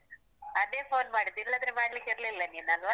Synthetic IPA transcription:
ɐd̪eːpoːnmaːɽit̪ːilːɐd̪ɾemaːɽlikiɾlilːɐniːnɐɡ̪ʋ

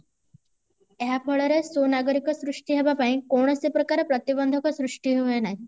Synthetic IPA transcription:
jɦapʰəɭəɾesonaɡəɾikɔsɾuʂʈiɦebapainkoɳ̃ɔsepɾəkaɾəpɾət̪ibənd̪ʱəkɔsɾuʂʈiɦeʋenaɦi

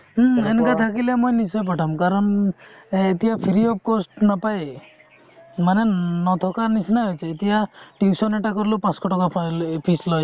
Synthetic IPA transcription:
enkat̪ʰakilemojnisɔjp̬aʈʰamkaɾɔn | et̪iapʰiɾiɔp̚kosʈnapaj | manenɔt̪ʰɔkanisnaɦɔjt͡ʃʰeːt̪iaʈiwsɔneʈakɔɾlupãskɔʈɔkapʰpʰislɔj

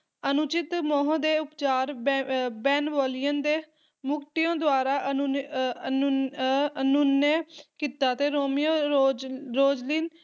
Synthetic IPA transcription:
ənʊt͡ʃɪt̪mɔːɦə̃d̪eːʊpt͡ʃaːɾbɛːnʋɔːlijənd̪eː | mʊkʈ̪ɪjõːd̪ʊwaːɾaːʔə | ənʊnːeːkiːt̪aːt̪eːɾoːmɪjõː | ɾoːd͡ʒliːn

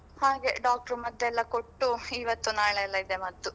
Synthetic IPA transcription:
haːɡe̞ɖaːk̚ʈɐɾumɐd̪ːɛlːɐko̞ʈːuiːʋɐt̪ːunaːɭeɛlːɐid̪emɐd̪ːu

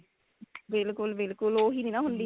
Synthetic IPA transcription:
bɪlkʊlbɪlkʊloːɦiːd̪inaɦʊ̃nd̪i

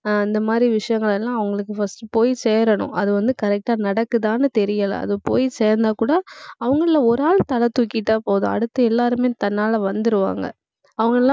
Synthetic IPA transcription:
ɪnd̪ɐmaːd̪ɾiʋɪʂɐjɐŋɡɐɭɛlːãːɐʋɐŋɡɐɭɯkːɯfɐsʈɯpoːjiseːɾɐɳʊ̰̃ʔɐðɯʋɐnd̪ɯkɐɾɛk̚ʈaːnɐɽɐkːɯðaːnɯt̪ɛɾɪjɐlɐ̰ɐ̰ðɯpoːjiseːɾnd̪aːkuːɽɐɐʋɐŋɡɐɭɪlɐɔɾaːlt̪ɐlɐt̪ːukːiʈːaːpoːðʊ̰̃ɐ̰ɽɯt̪ːɯɛlːaːɾɯmeːt̪ɐnːaːlɐʋɐnd̪ɯɾɯʋa̰ːŋɡɐ̰ | ɐʋɐŋɡɐɭɛlːã

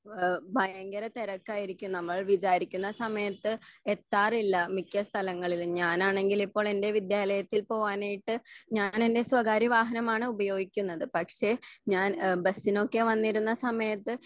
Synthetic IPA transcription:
bʱɐjɐŋɡɐɾɐt̪eɾɐkːaːjiɾikʲːumnɐmːɐɭʋit͡ɕaːɾikʲːunːɐsɐmɐjɐt̪ːɨet̪ːaːrilːɐmikʲːɐst̪ʰɐlɐŋːɐɭilɲaːnaːɳe̞ŋɡilipːo̞ːɭe̞nde̞ʋid̪jaːlɐjɐt̪ːilpo̞ːʋaːnajiʈːɨɲaːne̞nde̞sʋɐɡaːɾiʋaːɦɐnɐmaːɳɨubɐjo̞ːɡikʲːunːɐðɨpɐkʂe̞ɲaːnbɐsːino̞kːe̞ʋɐnːiɾunːɐsɐmɐjɐt̪ːɨ

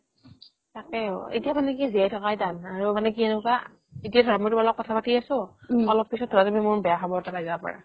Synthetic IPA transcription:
takɛḛtijamanɛkiziajtʰɔkajdanaɹumanɛkienʊka | etijadʱɔɹmɔtubalɔk̚ɔtʰapatiasʊ̃ɔlɔpːisɔt̚ʰːɔtazɔmimʊɹbɛjaxɔbɔɹtalajzabapɔ̰ɹa̰

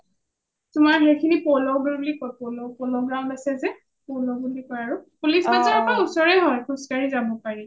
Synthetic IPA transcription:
tʊmaɹɦejkʰinipɔlɔɡblikɔpɔlɔpɔlɔɡɹaʊ̃bɛsɛzɛ | pɔlɔbulikɔɹaɹʊpulisbazaɹapɔɹausɔɹɛɦɔjkʰʊskaɹizabɔpaɹi

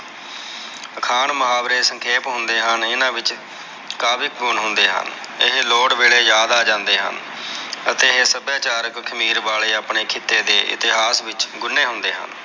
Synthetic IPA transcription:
əkʰaːɳməɦaːbɾeːsəŋkʰeːpɦʊnd̪eːɦənɪnãːʋɪt͡ʃ | kaːbɪk̚ɡʊnɦʊnd̪eːɦə̰n | ɪɦloːɽʋeːɭeːjaːd̪aːd͡ʒãːnd̪eːɦə̰n | ət̪eːɦeːsəbjaːt͡ʃaːɾəkkʰəmiːɾʋaːleːaːpɳeːkʰɪt̪ːeːd̪eːʔɪ̰t̪ɪɦaːsʋɪt͡ʃɡʊnːeːɦʊnd̪eːɦə̰n

